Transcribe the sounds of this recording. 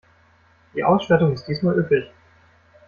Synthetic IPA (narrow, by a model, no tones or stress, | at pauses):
d̥iːʔaʊsʃtaɐtʊŋɪst̚d̥iːsmaːlʔyːplɪç